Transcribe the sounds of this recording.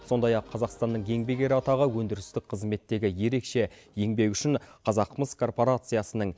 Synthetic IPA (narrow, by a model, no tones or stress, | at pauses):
so̞nd̪ɑjɑqʰːɑzɑqst̪ɑnːəɴje̞ŋbe̞ɡʲe̞ɾɪɑt̪ɑʁəwɵnd̪ɪɾɪst̪ɪk̚qʰəzme̞t̪ːe̞ɡʲɪje̞ɾe̞kʃe̞je̞ŋbe̞kʏʃɪɴqʰɑzɑqːməskʰo̞rpo̞ɾat̪sɨjasənəɴ